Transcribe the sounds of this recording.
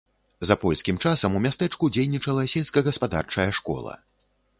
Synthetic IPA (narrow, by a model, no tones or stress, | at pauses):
zɐpɔlʲsʲkʲimt͡ʂasɐmumʲast̪ɛt͡ʂkud͡zʲejnʲit͡ʂɐlˠɐsʲelʲskɐɣɐspad̪a̰rt͡ʂɐjɐʂkɔ̰lˠɐ̰